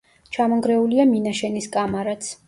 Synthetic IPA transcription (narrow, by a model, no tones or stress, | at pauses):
t͡ʃʰamɔŋɡɾɛuliaminaʃɛniskʼamaɾat̪sʰ